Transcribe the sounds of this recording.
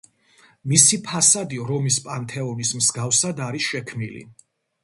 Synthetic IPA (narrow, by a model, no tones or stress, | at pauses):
misipʰasad̪iɾɔmispʼant̪ʰɛɔnismzɡafsad̪aɾisʃɛkʰmnilḭ